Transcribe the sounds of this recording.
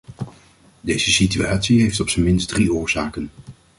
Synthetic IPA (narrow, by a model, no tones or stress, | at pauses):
dejz̥əsityaːtsiɦejftɔpsəmɪnsdriʊːɹz̥aːkən